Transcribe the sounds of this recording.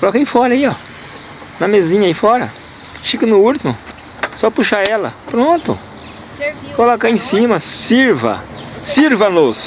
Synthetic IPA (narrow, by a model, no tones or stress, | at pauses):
kolɔkaifɔɾɐiɔ | nɐmezĩɲɐifɔɾɐ̰ | ʃikɐnʊut̪imʊ | sɔpuʃaɛlɐ̰pɾõt̪ʊ̰ | kolɔkaẽsĩmɐsiɾvɐ̰siɾvɐnʊs